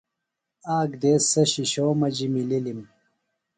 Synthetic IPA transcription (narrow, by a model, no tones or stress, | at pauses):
aːɡd̪eːsːɐɕiɕoːmɐd͡ʑimililim